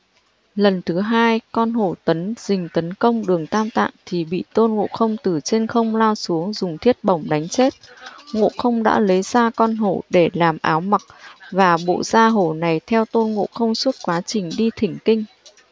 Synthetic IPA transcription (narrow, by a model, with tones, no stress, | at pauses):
lə˨˩nt̪ʰɨ˨˦ɦaː˧jkɔ˧nɦo˧˩t̪ə˨˦nz̥ï˨˩ŋ̟t̪ə˨˦nkə˧wŋ͡mɗɨ˨˩əŋt̪aː˧mt̪a̰ː˧˨nt̪ʰi˨˩ɓḭ˧˨t̪o˧nŋo̰˧˨xə˧wŋ͡mt̪ɨ˨˩t͡ɕe˧nxə˧wŋ͡mlaː˧wsu˨˦əŋzʊ˨˩ŋ͡mt̪ʰi˦˥ət̚ɓə˧˩wŋ͡mɗa˨˦jŋ̟t͡ɕe˦˥t̚ŋo̰˧˨xə˧wŋ͡mɗa̰ː˧˥lə˨˦jzaː˧kɔ˧nɦo˧˩ɗe˧˩laː˨˩mʔaː˨˦wma˨˩k̚vaː˨˩ɓo̰˧˨z̥aː˧ɦo˧˩na˨˩jt̪ʰɛ˧wt̪o˧nŋo̰˧˨xə˧wŋ͡mswə˦˥t̚kwaː˨˦t͡ɕï˨˩ŋ̟ɗi˧t̪ʰï˨˩ŋ̟kï˧ŋ̟